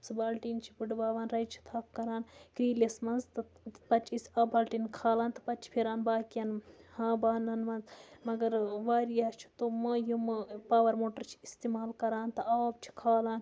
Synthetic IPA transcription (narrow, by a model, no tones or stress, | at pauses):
sɨbaːlʈiːnt͡ʃʰipɨɖbaːʋaːnɾɐjt͡ʃʰi̥t̪ʰaːkːɐɾaːnkɾiːlesmɐnzt̪ɨpɐt͡ʃʰisʲɐːbaːlʈinkʰaːlaːnt̪ɐ̥pɐt͡ʃʰi̥pʰiɾaːnbaːkjɐnhãːbaːnɐnmɐnzmɐɡɐɾʋaːɾijaːt͡ʃʰi̥t̪omɐjumɐpaːʋɐɾmoːʈɐɾt͡ʃʰi̥ist̪imaːlkɐɾaːnt̪ɐaːbt͡ʃʰi̥kʰaːlaːn